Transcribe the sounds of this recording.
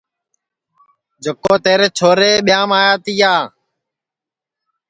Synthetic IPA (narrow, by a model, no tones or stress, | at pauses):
d͡ʒʱəkoːt̪eːɾeːt͡ʃʰoːɾeːɓɪjaːmaːjaːt̪iːjaː